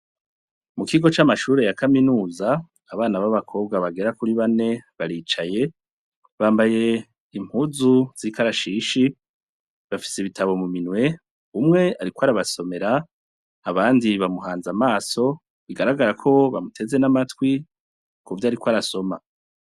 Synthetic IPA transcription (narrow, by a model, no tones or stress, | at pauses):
mukiɡo̞t͡ʃamaʃuːɾe̞jakaminuːzaː | βaːnaβaβakʰo̞ːβɡaβaɡe̞ɾakuɾiβane̞βaɾiːt͡ʃaje̞ | βaːmbaje̞ | im̥huːzuz̥ikaɾaʃiːʃi | βafi̥seβitʰaβo̞muminwe̞ | umŋe̞aɾikwoaɾaβaso̞me̞ɾaː | βaːndiβamuhaːnzamaːso̞ | iɡaɾaɡaɾakʰo̞βa̰mutʰe̞ze̞namatwi | kuvjaɾikwoaɾaso̞ma̰